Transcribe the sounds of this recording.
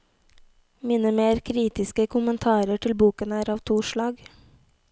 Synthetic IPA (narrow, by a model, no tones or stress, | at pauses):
miːnəmeːɾkʰɾiːt̪ɪskəkʰʊmənt̪ʰɑːɾəʈʰɪlbuːkənæːɾɑːʋt̪ʰuːʃɭɑːɡ